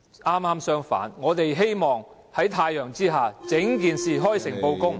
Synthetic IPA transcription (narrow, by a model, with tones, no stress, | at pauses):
aː˥maː˥msœː˥ŋfa̰ː˨˥nŋɔː˨˧t̪e˨jɦe˥jmɔː˨ŋ | hɐ˨˥jt̪ʰaː˧jœː˨˩ŋt͡siː˥ɦaː˨t͡sɪ˨˥ŋk̬iː˨nsiː˨ɦɔː˥jsɪ˨˩ŋpo˧wkʊ˥ŋ